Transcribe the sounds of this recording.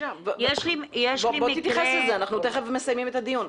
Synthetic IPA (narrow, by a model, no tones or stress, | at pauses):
avojeʃlimjeʃbobot̪it̪jaʁχeselzeanaχnut̪eχevemesajmimet̪ad̪ijun